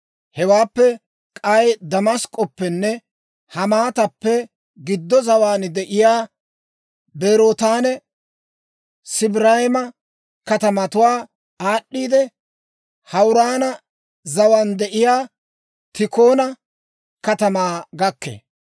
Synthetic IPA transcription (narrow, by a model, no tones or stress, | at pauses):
hɛwaːpːɛ | kʼɐjd̪ɐmɐskʼːɔpːɛnːɛ | hɐmaːt̪ɐpːɛ | ɡɪd̪ːɔzɐwaːnd̪ɛʔɪjaː | beːɾoːt̪aːnɛ | sɪbɾahɪmɐ | kɐt̪ɐmɐt̪ʊwaː | aːɗːiːd̪ɛ | hɐwɾaːnɐ | zɐwaːnd̪ɛʔɪjaː | t̪ɪko̞ːnɐ | kɐt̪ɐmaːɡɐkːḛː